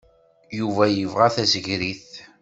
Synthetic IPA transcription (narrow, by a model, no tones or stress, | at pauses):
juvæjəvʁaθæzəʝɾiθ